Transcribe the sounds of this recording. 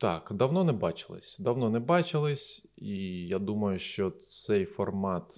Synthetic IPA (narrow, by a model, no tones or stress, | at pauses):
t̪ɑ̰kd̪ɐwnɔnɛbɑt͡ʃɪ̥lˠɪ̰sʲd̪ɐwnɔnɛbɑt͡ʃɪlˠɪsʲ | ijad̪umɐjʊʃt͡ʃɔt͡ssɛjfɔrmɑt̪